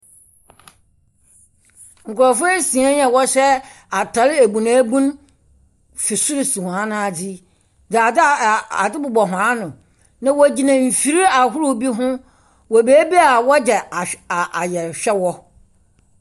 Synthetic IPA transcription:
ŋ̩˨kʊ˨ɾɔ˨fʊ˦e˦sĩ˨ã˦ɲɛ̃˨wɔ˦ɕɛ˦ | a˨tʰa˨lɪ˦e˨bu˨nã˨˦bũ˦n | fɪ˨su˦ɾi˨sũ˨hã˨˦nã˦a˨di˦ | da˨da̰˨dɪ˦bʊ˨bɔ˨ɦã˨˦nʊ̃˨ | nã˨wɔ˨d͡ʑi˨nã˨m̩˨fi˨ɾi˦a˨ɦʊ˦ɾʊ˦bi˦ɦʊ̃˦ | wɔ˨beː˨˦bi˦a˨wɔ˦d͡ʑɛ˨a˨ʔa˨jɛ˨ɕᶣɛ˦wɔ˦

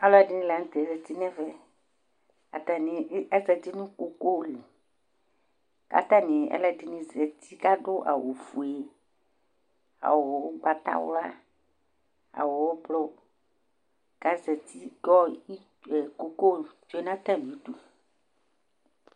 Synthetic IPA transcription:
a˨lɔ˦a˨ɖɪ˦nĩ˦la˨˦ŋ̩̃˦t̪ɛ˨zɛ˨t̪i˦nɛ̃˦vɛ˦ | a˨t̪a˨nĩ˨˦ɛ˦zɛ˨t̪i˦nũ˦ko˦ko˦li˨ | ka̰˨t̪a˦nĩ˨ɛ̰˦lɛ˦di˨nĩ˨zɛ˨t̪i˦ka˦ɖʊ˦ʔa̰˨wo˨fu˨e˨ | a̰˨wɔ˨wo˦ɡ͡ba˨t̪a̰˦wo̰˦la˦ | a̰˨wɔ˨wɔ˦blɔ˦ | ka˦zɛ˨t̪ʰi˦ɡɔ˦i˦ | ɛ˨ko˨ko˦d͡ʒo˦e˦nã˦t̪a˦˨n˨ĩ˨˦ɖu˦

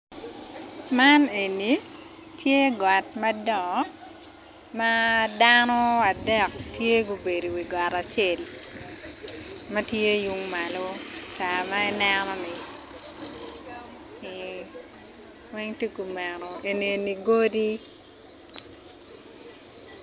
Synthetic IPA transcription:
mane˨nːi | tʰje˦ɡa˨tmɐdɔ˨ | ma˦danɔ˦a˨dɛ˨k̚tje˦ɡu˨be˨do˨wi˨ɡa˨ta˨t͡ʃe˨l | mɐ˦tje˦ju˦ŋmalot͡ʃa˨maɛ˦nɛnɔ˦nɪ˨ | wɛ˦ŋti˦ku˨mɛ˨nɔ˨e˨ni˨e˨ni˨ɡo˦di˦

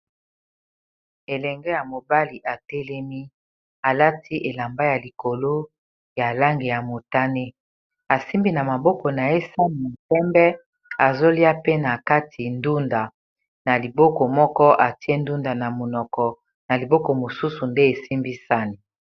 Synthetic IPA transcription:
e˨lɛ˨ŋɡɛ˦ja˨mo˨ba˦li˨ʔa˨tɛ˦lɛ˦mi˦ | a˨la˦tʰi˦ʔe˨la˨mba˦ja˨li˨ko˨lo˦ | ja˨la˦ŋɡe˨ja˨mo˨ta˦ne˦ | a˨si˦mbi˦na˨ma˨bɔ˦kɔ˨na˨e˦sa˦ni˨na˨tɛ˦mbɛ˦ | a˨zo˦li˦a˦pe˦na˨ka˦tʰi˨ndu˦nda˨ | na˨li˨bɔ˦kɔ˨mɔ˦kɔ˦ʔa˨ti˦e˦ndu˦nda˨na˨mo˨nɔ˨kɔ˨ | na˨li˨bɔ˦kɔ˨mo˨su˦su˨nde˦e˨si˦mbi˦sa˦ni˦

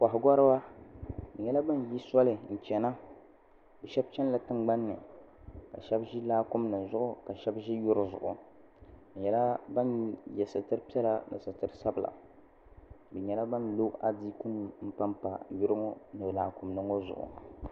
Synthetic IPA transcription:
ka˨ɦɡɔ˦ɾɨ˦ba˦bɨ˨ɲɛ˦la˦ba˦n˨ji˦sɔ˦lɨ˨n̩˨t͡ʃɛ˨na˦ | bɨ˨ʃɛ˦b̚t͡ʃɛ˦n˦la˨tɨ˦ŋɡ͡ba˦nːɨ˨ | ka̰˨ʃɛ˦bʒi˦laː˦kʊ˦mnɨ˨zʊ˦ʔʊ˦ka˨ʃɛ˦bʒi˦jʊ˦ɾzʊ̰˨ʔʊ˨ | bɨ˨ɲɛ˦la˦ba˦njɛ˨sɨ˨tɨ˦ɾɨ˦pi˦ɛ˦la˦nɨ̰˨sɨ˨tɨ˦ɾɨ˦sa˦bla̰˨ | bɨ˨ɲɛ˦la˦ba˦n˨lo˦a̰˨di˦ku˦n˨m̩˦pa˦mpa˨jʊ˦ɾɨ˦ŋo˦nɨ˨blaː˨kʊ˨mnɨ˦ŋo˦zʊ̰˨ʔʊ̰˨

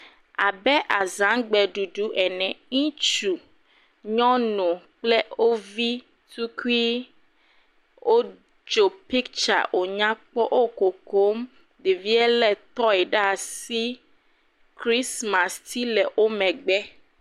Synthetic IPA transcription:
a˨bɛ˦ʔa˨zã˨˦ɡ͡bɛ˨ɖu˨ɖu˦ʔɛ˨nɛ̃˨ŋĩ˦t͡ʃu˨ | ɲɔ̃˦nũ˨k͡plɛ˦o˦vi˦ | tu˦ku˦i˦ | o˦ | d͡ʒo˨pi˦kt͡ʃa̰˨ʔo˨ɲã˦k͡pɔ˦ʔo˦ko˨ko˦m | ɖe˨vi˦ɛ˦lɛ˨t̪ɔ˦ɛ˨ɖa˦a˨si˦ | kɾi˦sma˨st̪ʰi˦lɛ˨ʔo˦mɛ̃˨ɡ͡bɛ˦

